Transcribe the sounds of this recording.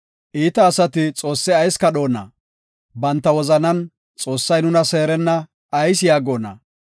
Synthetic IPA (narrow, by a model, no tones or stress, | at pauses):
ʔiːt̪ɐːsɐt̪ɪt͡sʼo̞ːsːɪɐjskɐɗo̞ːnɐ̰ | bɐnt̪ːɐwɔzɐnɐn | t͡sʼo̞ːsːɐjnʊnɐse̞ːɾɛnːɐː | js̬jaːɡo̞ːnɐ̰